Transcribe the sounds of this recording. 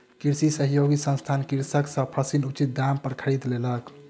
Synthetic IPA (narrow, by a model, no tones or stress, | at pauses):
kiɾsisəɦjoɡisə̃nst̪ʰankiɾsəksə̃pʰɾəsinut͡ʃit̪̚d̪ampəɾkʰəɾid̪lelək